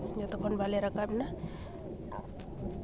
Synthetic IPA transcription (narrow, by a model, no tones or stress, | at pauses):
d͡ʒɔt̪ɔkɔnbʱaleɾakabna